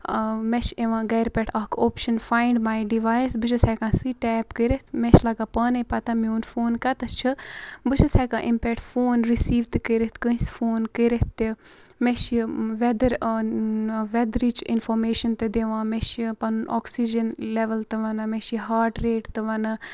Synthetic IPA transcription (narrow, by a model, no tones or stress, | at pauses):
met͡ʃeʋãːɡɐːɾpɛʈʰɐkʰoːpʃɐnfaːiɳɖmaːjɖiʋaːjsbɨt͡ʃʰɐsɛkãːsiːʈɛːpkəɾet̪meʃlɐɡaːpɐːnepɐt̪ãmiunfoːnkɐt̪ɐt͡ʃʰɨbɨʃʰɐsɛkã̰ːʔimpɛkʈfoːnɾisiːʋt̪kəɾet̪kə̃isfoːnkəɾeemeʃiʋɛd̪ɐɾ | ʋɛd̪ɾiːt͡ʃinfoːɾmeːʃɐnt̪ed̪eʋãːmeʃipɐnunɔ̰ːksid͡ʒɐnleʋɐlt̪ɨʋɐnɨmeʃiɦaːɾʈɾeːʈt̪ɨʋɐnɐ